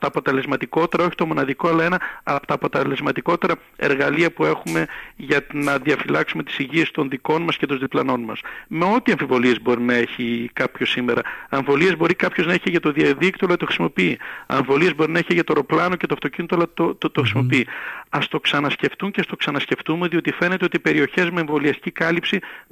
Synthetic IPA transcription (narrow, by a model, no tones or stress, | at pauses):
t̪ɐːpo̞t̪e̞le̞zmɐt̪iko̞t̪e̞ɾɐo̞çi̥t̪o̞mo̞nɐðikoɐlɐe̞nɐɐpt̪ɐːpo̞t̪ele̞zmɐt̪iko̞t̪e̞ɾɐ | e̞̰ɾɣɐliɐpue̞xume̞ʝɐnɐðiɐfilɐksume̞t̪i̥siʝie̞st̪o̞nðiko̞nmɐscet̪o̞nðiplɐno̞nmɐ̰sme̞o̞t̪iɐɱfivo̞lie̞zbo̞ɾinɐe̞çikɐpço̞sime̞ɾɐ̰ɐɱvo̞lie̞zbo̞ɾikɐpço̞znɐe̞çiʝɐt̪o̞ðiɐðikt̪olɐt̪oxɾisimo̞piiɐ̰ɱvo̞liezbo̞ɾinɐeçiʝɐt̪o̞ɾo̞plɐno̞cet̪oft̪o̞cinit̪olɐot̪oxɾisimo̞piiɐst̪o̞ksɐnɐsce̞ft̪uɲceɐst̪o̞ksɐnɐsce̞ft̪umuðio̞t̪ife̞ne̞t̪e̞o̞t̪ipe̞ɾio̞çe̞zmeːɱvo̞liɐst̪i̥cikɐlipsi